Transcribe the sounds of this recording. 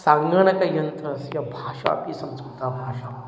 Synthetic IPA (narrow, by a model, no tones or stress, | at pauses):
saŋɡɐɳɐkɐjɐnt̪ɾɐsjɐbʱaːʃa̰ːpiːsɐmsut̪abʱaːʃa